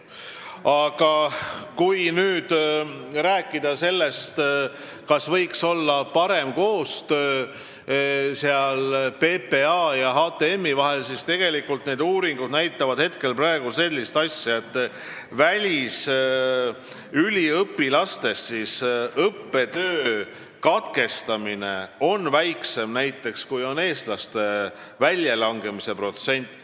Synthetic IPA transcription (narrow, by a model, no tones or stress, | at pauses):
ɑɡ̥ɑkujnyːd̪̥ɾæːkːˑid̪̥ɑse̞lːe̞st̪ | kɑsvɤjkso̞lːɑpɑɾe̞mko̞ːst̪øː | seɑlpe̞ːpe̞ɑːjɑɦɑːt̪e̞emːivɑɦe̞lsist̪e̞ɡ̥e̞likult̪ne̞ːd̪uːɾiŋɡ̥ud̪næjt̪ːˑɑvɑd̪̥he̞t̪ke̞lprɑe̞ɡ̥use̞lʲːist̪ɑsʲjɑe̞t̪ˑː | vælʲis | ylʲiɤpːilɑst̪e̞st̪sisɤpːe̞t̪øː | kɑt̪ke̞st̪ɑmine̞o̞nvæjkse̞mnæjt̪ːˑe̞kskujo̞ne̞ːst̪lɑst̪e̞ | vælʲjɑlɑŋɡ̥e̞mise̞pro̞t̪se̞nʲt̪ːˑ